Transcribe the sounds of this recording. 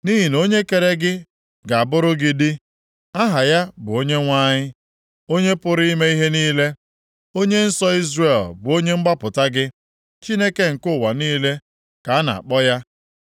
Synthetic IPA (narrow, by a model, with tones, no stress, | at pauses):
ni˦ɦi˨no˦ɲe˦ke˨ɾe˦ɡɪ˦ | ɡa˨a˨bʊ˦ɾʊ˦ɡɪ˦di˦ | a˦ɦa˨ja˦bʊ˨o˦ɲe˦ŋʷa˦ɲɪ˦ | o˦ɲe˦pʊ˦ɾi˦i˦me˦i˦ɦe˦niː˦le˦ | o˦ɲe˦n̩˦sɔ˦i˦zre˨lbʊ˨o˦ɲe˦ŋ͡m̩˦ɡ͡ba˦pʊ˨ta˦ɡɪ˦ | t͡ʃi˦ne˦ke˦ŋ̩˨kʊ˦˨wa˨niː˦le˦ | ka˨a˦na̰˨a̰˨k͡pɔ˦ja˦